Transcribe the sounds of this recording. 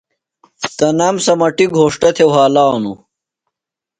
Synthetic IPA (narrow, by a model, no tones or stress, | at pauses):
t̪ɐnɐmsɐmɐʈiɡʱoːʂʈɐt̪ʰewɦaːlaːnṵ